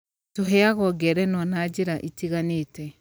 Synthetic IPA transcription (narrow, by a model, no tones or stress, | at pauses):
toɦɛaɣɔɡɛɾɛnɔnad͡ʒeɾaʔitiɣaneːtɛ